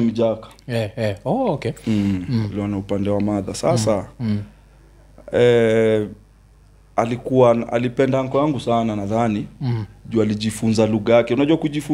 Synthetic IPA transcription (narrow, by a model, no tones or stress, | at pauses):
m̩ʄakḁ | ɔkɛ | aliɔnaupandɛwamaða̰sasa | ɛ | alikuaa̰lipɛndaaŋ̩kɔjaŋɡusananaðaniʄualiʄifunzaluɣajakɛunaʄuwakuʄifu